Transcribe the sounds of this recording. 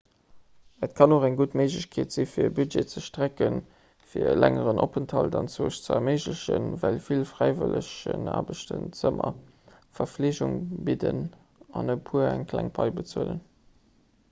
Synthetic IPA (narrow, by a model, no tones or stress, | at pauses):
ətkʰɑnoχæŋɡutməɪʒləɕkʰeːtz̥ifiːɐbyd͡ʒeːt͡səʃtʁækən | fiːɐlæŋəʁənʔopəntʰhɑldɑnt͡soːʃt͡səəmeɪʑləɕənvælfilfʁæɪvəlʔəɕəna̰ːbəʃtənt͡səmɐ | fɐfleːʑuŋbidən | ɑnəpʰuəæŋkʰlæŋpʰɑɪbət͡suələn